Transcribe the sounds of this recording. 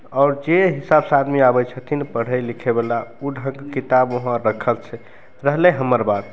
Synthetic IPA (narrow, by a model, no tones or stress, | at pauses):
ɔːɾd͡ʒeɦisabsad̪miabət͡ʃʰət̪ʰinpəɽ̤əjlikʰebelauɖʱə̃ŋɡkit̪aboɦãɾəkʰəlt͡ʃʰɛ | ɾəɦleɦəməɾbad̪